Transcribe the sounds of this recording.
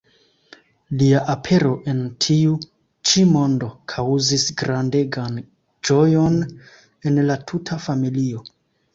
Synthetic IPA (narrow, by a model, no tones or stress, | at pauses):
liaʔapʰe̞ɾo̞ʔe̞ntʰiu | t͡ʃimo̞ndo̞kʰawzisɡɾande̞ɡan | d͡ʒo̞jo̞n | e̞nlatʰutʰafamilio̞